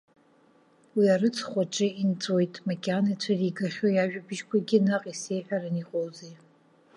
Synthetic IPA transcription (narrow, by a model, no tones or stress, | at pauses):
wiaɾɨt͡sʰʼχʷaʈ͡ʂʼɨint͡sʼwe̞jtʼmakʲʼanat͡sʷʰariɡaχʲojaʒᶣabɨʒkʷʰaɡʲɪnaqʼise̞jħʷᶣaɾɨniqʼowze